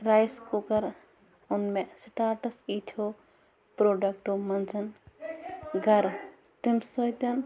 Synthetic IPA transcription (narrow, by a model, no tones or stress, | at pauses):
ɾajskukɐɾ | ʊnmesʈaːɾʈɐsiːt̪ʰo | pɾoːɖɐk̚ʈomɐnzɐn | ɡɐɾ | t̪imsɔjt̪ɐn